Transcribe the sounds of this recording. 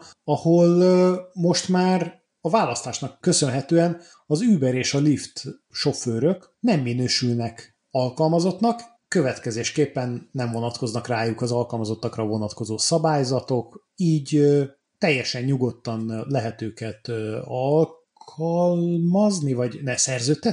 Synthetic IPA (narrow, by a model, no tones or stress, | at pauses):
ɒholmo̞ʃt̪maːr | ɒvaːlɒst̪aːʃnɒkːø̞sø̞nɦɛt̪øːɛn | ɒzyːbɛɾeːʃɒlift̪ | ʃo̞føːɾøk | nɛmːinøːʃylnɛk | ɒlkɒlmɒzo̞t̪nɒkː | ø̞vɛt̪kɛzeːʃkeːpːɛnːɛɱvo̞nɒt̪ko̞znɒkraːjukɒzɒlkɒlmɒzo̞t̪ːɒkrɒvo̞nɒt̪ko̞zoːsɒbaːjzɒt̪o̞k | iːɟ | t̪ɛjːɛʃɛɲɲuɡo̞t̪ːɒnlɛɦɛt̪øːkɛt̪ɒlkʰɒlmɒznivɒɟnɛsɛrzøːt̪ːɛ